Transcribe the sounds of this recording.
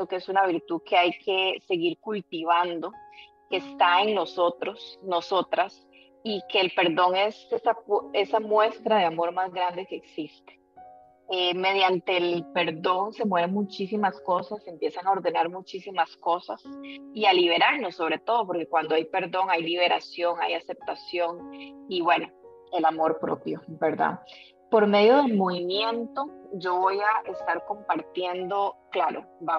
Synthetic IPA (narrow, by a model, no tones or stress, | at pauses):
okeesunaβiɾt̪ukʰe̞ajkʰe̞se̞ɣiɾkult̪iβ̞and̪o̞ | ke̞ːst̪aeŋno̞so̞t̪ɾo̞snoso̞t̪ɾas | ike̞ːlpe̞ɾd̪o̞ŋe̞sesape̞samwe̞st̪ɾaðeamo̞ɾmazɡɾand̪e̞ke̞ːksist̪e̥ | eme̞ðjant̪e̞lpe̞ɾdo̞ŋse̞mweβeŋmut͡ʃisimasko̞sase̞mpje̞saŋao̞ɾd̪e̞naɾmut͡ʃisimasko̞sasialiβ̞e̞ɾaɾno̞so̞βɾe̞t̪o̞ð̞opo̞ɾke̞kwand̪oajpe̞ɾðo̞ŋajliβe̞ɾasjo̞ŋa̰jase̞p̚t̪asjo̞ŋiβwe̞no̞ | e̞lamo̞ɾpɾo̰pjo̞be̞ɾd̪a̰ | po̞ɾme̞ðjo̞ðelmo̞βimje̞nt̪o̞d͡ʒo̞βojaʔe̞st̪aɾko̞mpaɾt̪je̞nd̪o̞klaɾo̰ba